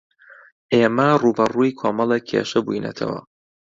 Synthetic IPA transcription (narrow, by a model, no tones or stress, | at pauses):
ʔeːmɐruːbɐruːikʰoːmɐlˠekʰḛːʃɐbujinɐ̰t̪ʰɐ̰wɐ̰